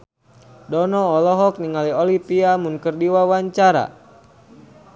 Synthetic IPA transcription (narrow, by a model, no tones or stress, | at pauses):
dɔnɔːlɔɦɔk̚niŋaliɔlipiamunkərdiwawaɲt͡ʃaɾa̰